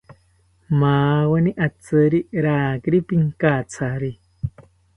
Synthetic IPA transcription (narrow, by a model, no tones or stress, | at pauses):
mawaniʔat͡sɨɾiɾaːkɾipiŋkat͡sʰaɾi